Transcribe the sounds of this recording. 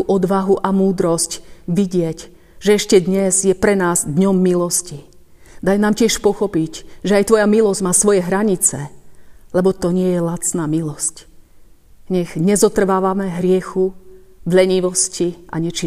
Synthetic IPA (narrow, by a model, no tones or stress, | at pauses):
uʔɔd̪ʋaɦuʔamuːd̪ɾɔscʋiɟɪɛɟ | ʒɛɛʃcɛd̪ɲɛzjɛpɾɛnaːzd̪ɲɔmːilɔsci | d̪ajnaːmcɪɛʃpɔxɔpicʒɛajt̪ʋɔjamilɔzɟmaːsʋɔjɛɦɾaɲit͡sɛlɛbɔt̪ɔɲɪɛjɛlat͡snaːmilɔsc | ɲɛɣɲɛzɔt̪r̩ʋaːʋamɛɦɾɪɛxuvʎɛɲiʋɔscia̰ɲɛt͡ʃi